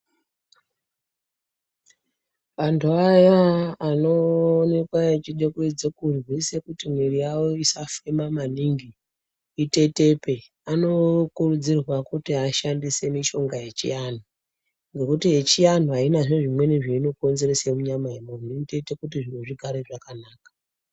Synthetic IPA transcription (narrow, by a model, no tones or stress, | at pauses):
ʋantʰuajaːno̞ːne̞kwaet͡ʃiɗe̞kuid͡zekurwise̞kutimwiɾijawo̞isafemamaniŋɡiː | te̞te̞pe | ano̞kurud͡zirwakutiaʃandise̞miʃo̞ŋɡajet͡ʃḭjan̤u | ŋɡe̞kutiet͡ʃijan̤uɦainaʐoʐimwe̞niʐeino̞ko̞nze̞resemuɲamaemoninte̞te̞kutiʐineʐikʰaɾeʐakanaːkḁ